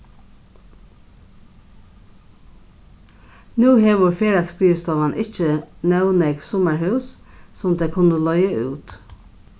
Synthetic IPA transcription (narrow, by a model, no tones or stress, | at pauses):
nʉːheːʋʊɹfeːɾɑskɾiːʋst̪ɔʋɑnʔɪc͡çənœʊnɛɡsɔmæɹhʉʉs | sɔmd̪eɪkʰʊnəlœʏəʔʉːt̪